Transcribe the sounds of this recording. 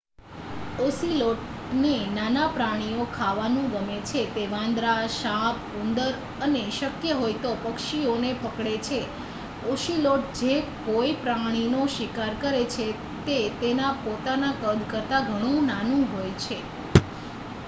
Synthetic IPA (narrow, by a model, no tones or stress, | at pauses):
osiloʈnenanapɾaɽ̃iokʰaʋanũɡəmet͡ʃʰet̪eʋãnd̪ɾaʃap | und̪əɾ | əneʃəkjəɦojt̪opəkʃionepʰəkɽet͡ʃʰe | oʃiloʈ̚d͡ʒekoipɾaɽ̃inoʃikaɾkəɾet͡ʃʰe | t̪et̪enapot̪anakəd̪ʱkəɾt̪aɡʱəɽ̃ũnanũɦojt͡ʃʰe